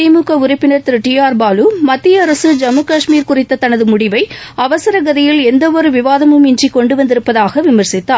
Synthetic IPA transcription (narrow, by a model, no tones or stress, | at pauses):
ɪmuːkɐʊɾɪpːɪnɐɾt̪ɪɾɯʈiaːɾbaːlumɐt̪ːɪjɐɐɾɐsɯd͡ʒɐmɯkɐʂmiːɾkʊrɪt̪ːɐt̪ɐnɐðɯmʊɽɪʋɐɪɐʋɐsɐɾɐɡɐðɪjɪlɛnd̪ɐʋɔɾɯʋɪʋaːðɐmɯmɪnd͡ʒrikɔɳɖɯʋɐnd̪ɪɾɯpːɐðaːɣɐʋɪmɐɾsɪt̪ːaː